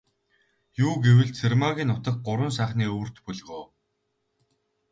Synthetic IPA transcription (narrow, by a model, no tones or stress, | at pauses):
juːɡewɘ̆ɮt͡sʰermaɣʲiːnːʊt̪ə̆k̚ɢʊɾwə̆ns̬æːχniːɵwɵ̆r̥t̪pɵɮʁoː